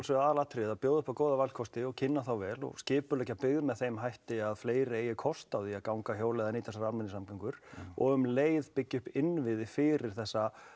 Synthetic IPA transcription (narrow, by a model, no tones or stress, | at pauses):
lsɛaðlat̪ʰɾeːðapjowðʏhpakoːwðavalkʰɔst̪ɪɔɣcʰɪnːaθawvɛːlɔ̰ɣscɪːpʏlɛhcapɪɣðmɛðθejmɦajht̪ɪaðfleːjɾɪeːjɪkʰɔst̪awðiakawŋkaçjoːwlɛːðaɛnit̪ʰɛsaɾaɾmɛnːɪsamkaŋkʏɾ̥ɔ̰ɣʏmleːjðpɪcːʏhpɪnvɪðɪfɪɾɪɾ̥θɛsːa